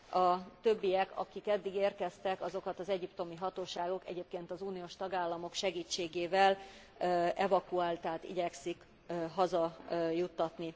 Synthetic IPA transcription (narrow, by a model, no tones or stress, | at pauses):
ɒt̪øbːijɛkɒ̰kikɛd̪ːiɡeːrkɛst̪ɛkɒzo̞kɒt̪ɒzɛɟipt̪o̞miɦɒt̪oːʃaːɡo̞kɛ̰ɟeːp̚keːnt̪ɒzuːnijoːʃt̪ɒɡaːlːɒmo̞kʃɛɡiːt͡ʃːeːɡeːvɛl | ɛvɒkuaːlt̪aːt̪ḭɟɛksik | ɦɒzɒjut̪ːɒt̪ni